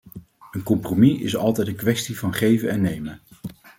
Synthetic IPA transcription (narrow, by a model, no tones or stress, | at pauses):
ənkɔmpromiɪsɑ̰lˠtɛjtəŋkʋɛstivɑnχejvənɛnːejmən